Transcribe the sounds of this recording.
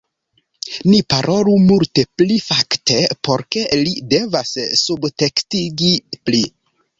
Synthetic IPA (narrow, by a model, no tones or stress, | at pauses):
nipaɾʔo̞lumulte̞plifakte̞po̞ɾke̞lide̞vassubte̞kstiɡipli